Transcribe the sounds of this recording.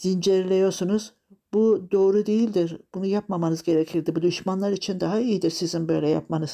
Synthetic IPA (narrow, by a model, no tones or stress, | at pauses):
z̥ind͡ʒeɾlʲejo̞ɾsunuz | bud̪o̞ːɾud̪ejilʲd̪iɾb̥unujapmamanɯzɟe̞ɾecʰiɾd̪ibud̪yʃmanlˠaɾit͡ʃʰind̪aɦaijid̪iɾsizinbø̞jlʲɛja̰pmanɯz̥